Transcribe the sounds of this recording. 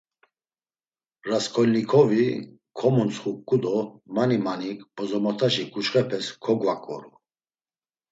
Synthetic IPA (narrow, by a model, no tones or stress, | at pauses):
ɾaskʰɔlnikʰɔvi | kʰɔmɔnt͡sʰχukʼud̪ɔmanimanikbɔzɔmɔt̪ʰaʃikʰʼut͡ʃχɛpʰɛskʰɔɡvakʼɔ̰ɾu